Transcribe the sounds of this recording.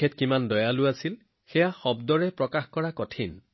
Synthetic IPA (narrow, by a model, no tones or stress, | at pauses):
ɛtkimandɔjalʊasil | xɛjaxɔbdɔɹɛpɹɔkaxkɔɹakɔtʰin